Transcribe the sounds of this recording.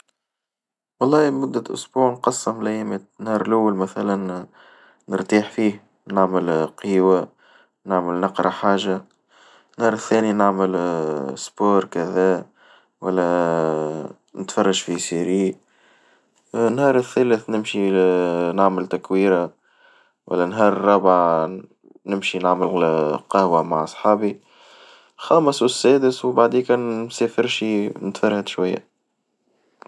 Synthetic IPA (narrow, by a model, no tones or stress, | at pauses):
wɑlˤːɑːhmʊd̪ːæʔʊ̰sbuːʕnqɑsˤːɑmlæjmənhɑːɾˤlʔawːalmæθælænː | əɾt̪iːħfiːh | naʕməlqiːwa | naʕməlnɑqɾˤɑħaːʒa | nhɑːɾˤəθːæːninaʕməlsboːɾˤkæðæː | wælːæ | nət̪fɑrˤːɑʒfisiɾi | nːhɑːɾˤəθːælæθnɪmʃi | naʕməlt̪ækwiːɾa | wʔæ̰lːænɦɑːɾˤrˤːɑbʕa | nɪmʃinaʕməlqɑhwæmaʕʔɑsˤħɑːbi | xɑːməswəsːæːd̪əswbaʕd̪iːkænnsæːfəɾʃinət̪fɑɾˤhad̪ʃwajːæ̰